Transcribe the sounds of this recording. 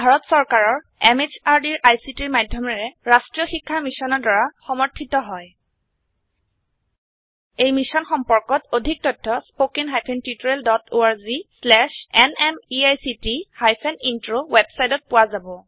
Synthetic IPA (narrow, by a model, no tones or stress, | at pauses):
bʱaɹɔtsɔɹkaɹɔɹ | ɛmed͡ʒaɹdiɹʔajsitiɹmajdʱːjɔmɛɹɛɹastɹijɔxikʰːamisɔnɔɹdɔɹaxɔmɔɹtʰːitɔɦɔj | ejmisɔnxɔmpɔɹkɔtodʱik̚tɔjtʰːɔspokinɦajpʰɛntutuɹɛldɔtoaɹzislɛʃɛnɛmiajsitihajpʰɛnintɹowɛbsajtɔt̚pʊwazabɔ